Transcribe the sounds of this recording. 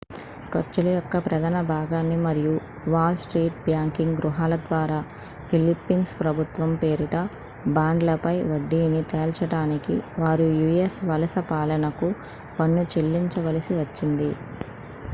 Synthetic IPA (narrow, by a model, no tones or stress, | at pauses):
kɐɾt͡ʃulɐjɔkːɐpɾɐd̪ɐnɐbʱaːɡaːnːimɐɾiju | ʋaːlsʈɾiːʈ̚bjaːŋkiŋɡɡɾuɦaːlɐd̪ʋaːɾaː | pʰilipːinspɾɐbʱut̪ʋɐmpeːɾiʈɐ | baːɳɖlɐpɐjʋɐɖːiːnit̪eːlt͡ʃɐɽaːnikḭʋaːɾujujesʋɐlɐsɐpaːlɐnɐku | pɐnːut͡ʃelːiɲt͡ʃɐʋɐlɐsiʋɐt͡ʃːind̪i